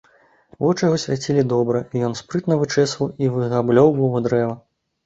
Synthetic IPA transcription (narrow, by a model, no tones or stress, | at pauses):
vɔt͡ʂɨjaɣɔsʲvʲat͡sʲilʲid̪ɔbɾɐijɔnspɾɨt̪nɐvɨt͡ʂɛsvɐwivɨɣablʲɔwbɔɦɔd̪ɾɛvɐ